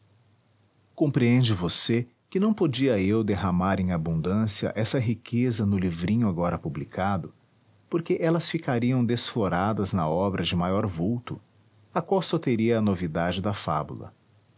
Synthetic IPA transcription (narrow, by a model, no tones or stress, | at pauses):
kõpɾiẽnd͡ʒɪvose | kɪnɐ̃w̃pod͡ʒiɐewd̪eɦamaɾẽj̃abũnd̪ɐ̃siɐ̰ʔɛsɐɦikʰezɐnʊlivɾĩɲʊaɡɔɾɐpublikʰad̪ʊ | poɾkeʔɛlɐsfikaɾiɐ̃w̃d̪esfloɾad̪ɐznɐɔbɾʔɐd͡ʒɪmajɔɾvuwt̪ʊ | ɐkwawsɔt̪eɾiɐːnovid̪ad͡ʒɪd̪ɐfa̰bṵlɐ̰